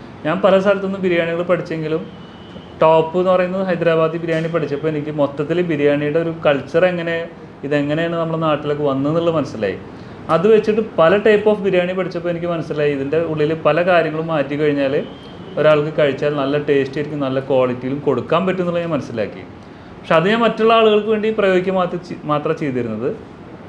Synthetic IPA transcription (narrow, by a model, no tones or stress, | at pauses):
ɲaːnpɐlɐsaːlɐt̪ːonːumbiɾijaːɳiŋːɣɐɭpɐʈʰit͡ɕːe̞ŋɡilum | ʈoːpːɨenːɨpɐrɐjunːɐðɨɦɐjd̪raːbaːd̪ipiɾjaːɳip̬ɐʈʰit͡ɕːɐpːoenikʲːɨmo̞t̪ːɐt̪ːilbiɾijaːɳijuɽeo̞ɾukɐɭt͡ɕːɐre̞ŋːɐne̞ | iðe̞ŋːɐne̞jaːɳːɨnɐmːuɭenaːʈːilo̞kːɨʋɐnːɨniɭːɨmɐnɐsːila̰ːjḭ | ɐðɨʋe̞t͡ɕːiʈːɨpɐlɐʈɐjpːoːfbiɾjaːɳipɐʈʰit͡ɕːɐpːoːe̞nikʲːɨmɐnɐsːilaːjiiðinde̞uɭːilɨpɐlɐkaːɾjɐŋːɐɭumːaːtjukɐɻiɲːaːle | o̞ɾaːɭk̬ɨkɐɻit͡ɕːaːlnɐlːɐʈe̞ːstiɾikʲːumnɐlːɐkwoːɭitːijilumko̞ɽukːaːmpɐtːunːuɭːɐɲːaːnmɐnɐsːila̰ːkːḭ | pɐkʂeɐðɨɲaːnmɐtːoɭːɐaːɭuɣɐɭkɨʋe̞ːɳɖiprɐjo̞ːɣikʲːɐmaːt̪maːt̪rɐt͡ɕe̞jt̪iɾunːɐðɨ